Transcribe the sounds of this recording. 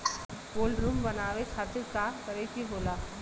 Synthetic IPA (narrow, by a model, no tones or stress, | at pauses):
poːlɖɾuːmbɐnaːʋekʰaːt̪ɪɾkakɐɾekiboːlaː